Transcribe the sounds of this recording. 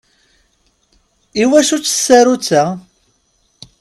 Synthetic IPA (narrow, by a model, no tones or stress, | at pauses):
iwæʃut͡sːsːæɾut͡sːæ